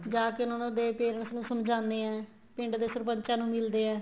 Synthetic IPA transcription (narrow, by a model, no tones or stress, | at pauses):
d͡ʒaːkɪʊnãːnõːd̪eːpeːɾəɳsnũːsəmd͡ʒãːnd̪eːɛ̃ː | pɪ̃ɳɖd̪eːsəɾpəɲt͡ʃãːnũːmɪld̪eːɛ̃ː